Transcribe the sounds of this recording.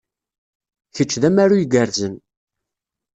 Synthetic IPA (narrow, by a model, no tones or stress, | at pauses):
çət͡ʃːðæmæɾujɡəɾzən